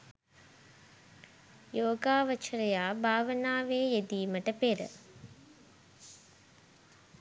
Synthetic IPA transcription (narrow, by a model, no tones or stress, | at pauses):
joːɡaːʋət͡ʃɾəjaːbʱaːʋənaːʋeːjed̪iːməʈəpeɾə̰